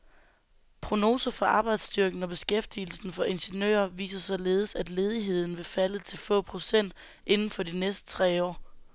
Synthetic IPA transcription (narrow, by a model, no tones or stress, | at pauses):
pʰʁo̝no̝ːsɐfɒ̽ʔɑ̈ːb̥ɑ̈ɪd̥sd̥yɐɡ̥n̩ɒ̽b̥e̝sɡ̥efd̥il̩sn̩fɒ̽ʔe̝nɕe̝nø̰ːɐʋḭːsɐsɒ̽le̝ːð̞̩ˠəsæd̥le̝ːð̞ˠiɦe̝ð̞̰ˠn̩ʋe̝fælət͡sʰe̝lfɔ̰̽ːpʰʁo̝sen̰d̥ | ʔe̝nn̩fɒ̽dinesd̥ə̥t͡sʰʁɛ̰ːɒ̰ː